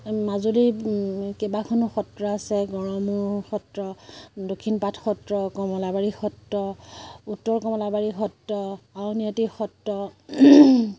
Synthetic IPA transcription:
mazudikɛbakʰɔnʊxɔtɹɔasɛɡɔɹɔmuɹxɔtɹɔdokʰinpatʰxɔtɹɔkɔmɔlabaɹixɔtːɔutːɔɹkɔmɔlabaɹixɔtːɔawniatixɔtɹɔ

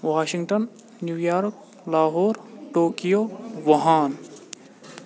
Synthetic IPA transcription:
ʋaːʃiŋʈɐnː | juːjaːɾk | laːɦoːɾʈoːkijoːʋɐɦaːn

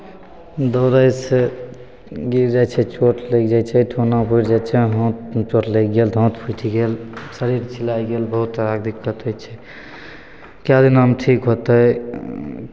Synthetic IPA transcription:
d̪oːɾəjse | ɡiɾd͡ʒat͡ʃʰɛt͡ʃoʈʰlekd͡ʒat͡ʃʰɛʈʰonapuiʈd͡ʒat͡ʃʰɛɦɔ̃t̪t͡ʃoʈleɡeld̪ʱɔ̃t̪pʰuʈʰiɡelsəɾiɾt͡ʃʰilajɡelbəɦut̪ɾaɡd̪ikːət̪ot͡ʃʰɛ | kjad̪inɦəmʈʰikɦot̪əj

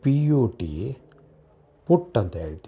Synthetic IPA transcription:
piːoːʈḭ | puʈːɐnt̪ɐɦeːɭt̪i

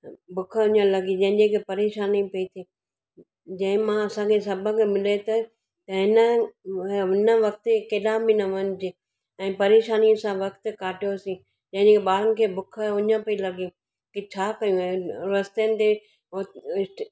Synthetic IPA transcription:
bʱʊkʰəʊɲə̃lɐɡid͡ʑɐ̃ɦɪ̃ɲd͡ʑekʰepɐɾeːʃaːnipiit̪ʰiː | d͡ʑɐ̃ɦɪ̃mãɐsãkʰesɐbʱə̃kʰemɪlet̪oe | t̪ɐɪnə | ɪnəʋɐk̚t̪ekeːɗãbinɐʋɐnɪd͡ʑe | ɛ̃ːpɐɾeːʃaːniə̃sãʋɐkt̪kaːʈijosĩ | d͡ʑɐ̃ɦɪ̃ɲd͡ʑekʰeɓaːɾənɪ̆kʰeːbʊkʰəʊɲə̃pɐilɐɡĩ | kit͡ɕʰaːkɐjũɾɐst̪eənɪ̆t̪e | ɪʈ

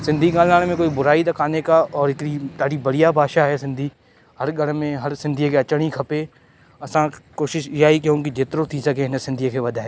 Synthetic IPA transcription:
sɪ̃nd̪ʱiɡaːlnaːɽemẽkoːibʊɾaːid̪ɐkʰaːnekaɔːɾɪkɾit̪aːɽibɐɽɪjabʱaːʃaɦɛsɪ̃nd̪ʱiː | hɐɾɡʱɐɽmẽɦɐɾsɪ̃nd̪ʱijekeɐt͡ʃəɽ̃ikʰɐpe | ɐsãkoːʃɪʃd͡ʒaːikeɦõkid͡ʒɪt̪ɾot̪ʰisɐkenẽsɪ̃nd̪ʱijekʰeʋɐd̪ʱaɦeː

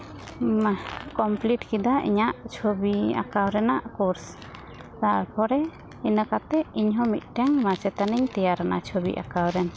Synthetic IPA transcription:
makɔmpliʈkid̪aḭɲaʔt͡ʃʰobia̰kawɾɛnaʔkuɾs | t̪aɾpʰɔɾɛ | inəkat̪ɛiɲɦɔmit̪̚ˀʈɛŋmat͡ʃɛt̪aniɲt̪ɛjaɾanat͡ʃʰobḭʔa̰kawɾɛn

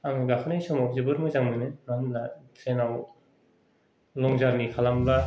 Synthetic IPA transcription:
amiɡakʰɯnɯjsɔmɔzɯbɯɾmɯzaŋmɯjnɯnanlatʰenaw | lɔŋzaɾnikʰalamba

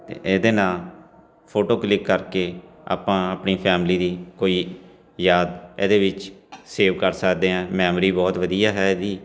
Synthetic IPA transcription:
t̪ḛːʔeːd̪eːnaːl | pʰoːʈoːklɪkːəɾkeːa̰ːpãːəpniːpʰɛːmliːd̪iːkoːiː | jaːd̪ḛːd̪eːʋɪt͡ʃseːʋkəɾsəkd̪eːɛ̃ːmɛːmɾiːbɔːt̪ʋəd̪ijaːɦɛːed̪iː

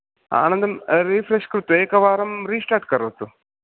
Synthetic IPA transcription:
a̰ːnɐnd̪ɐmɾiːfɾeʂkɾut̪ːeːkɐʋaːɾɐmɾiːsʈaːʈ̚kɐɾɐt̪ːu

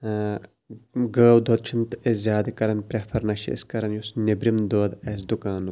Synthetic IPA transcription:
ɡəːwd̪ʱot̪̚t͡ʃʰint̪ɨeszʲjaːd̪ikɐɾɐnpɾʲɐpʰɐɾnɐʃiḛskɐɾɐnjusnebɾimd̪oːd̪ɐs̬d̪ukaːn

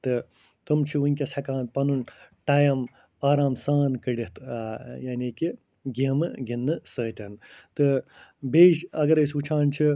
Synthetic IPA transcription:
t̪ɨ | t̪umt͡ʃʰiunʲkʲesʰɐkãːnpɐnunʈaːjɐm | aːɾaːmsaːnkəɖit̪ʰjaːniːki | ɡimɨɡinːɨsəːt̪ʲɐnt̪ɨbeːʃɐɡɐɾɐsut͡ʃʰaːnt͡ʃʰi

